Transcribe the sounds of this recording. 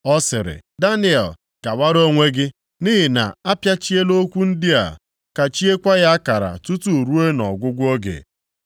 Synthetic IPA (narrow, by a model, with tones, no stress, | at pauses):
ɔ˦sɪ˨ɾɪ̰˨da˦ni˦ɛ̰˨l | ka˨wa˦ɾo˦ŋʷe˦ɡɪ˦ | ni˦ɦɪ˨na̰˨a˦pja˦t͡ʃi˦e˦lo˦kʷu˦n̩˦dɪ˦a̰˨ | ka˨t͡ʃi˦e˦kʷa˦ɣa˦a˦ka˨ɾa̰˨tu˦tu˦˨ɾu˦e˦nɔ˨ɡʷʊ˦ɡʷʊ˦ɔ˦ɡḛ˨